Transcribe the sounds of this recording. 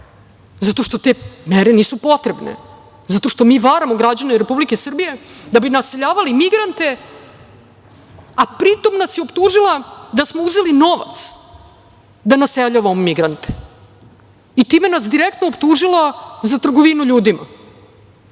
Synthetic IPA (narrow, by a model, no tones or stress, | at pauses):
zat̪o̞ʃt̪o̞t̪e̞ːmeɾeniːsupo̞t̪ɾebnḛ | zat̪o̞ʃt̪o̞miːʋaɾamoɡɾad͡ʑaneɾepublike̞sr̩bije̞d̪abinaseʎaːʋalimiɡɾant̪e̞ | apɾit̪o̞mnasjeopt̪uːʒilˠad̪asmouze̞lino̞ʋa̰t̪s | d̪anaseʎaʋamomiɡɾant̪e̥ | it̪imenasd̪iɾekt̪noːpt̪uːʒilazat̪r̩ɡoʋinuʎuːd̪ima̰